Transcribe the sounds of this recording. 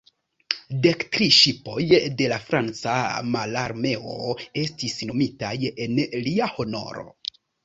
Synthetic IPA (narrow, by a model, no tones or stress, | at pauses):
de̞ktɾiʃipo̞jde̞lafɾant͡samalaɾme̞o̞̰e̞stisno̞mitaje̞nliaho̞no̞̰ɾo̞̰